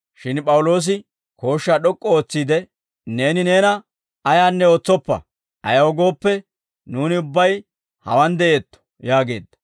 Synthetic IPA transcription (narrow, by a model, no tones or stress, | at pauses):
ʃɪnpʼɐwlo̞ːs̬ɪ | ko̞ːʃːaɗɔkʼːɔoːt͡sːiːd̪ɛ | ne̞ːnɪne̞ːnɐ | ɐjaːnːɛo̞ːt͡sːɔpːɐ̰ | ʔɐ̰jɐwɔɡo̞ːpːɛ | nuːnɪʊbːɐj | hɐ̰wɐnd̪ɛʔeːt̪ːɔ̥ | jaːɡe̞̰ːd̪ːɐ̥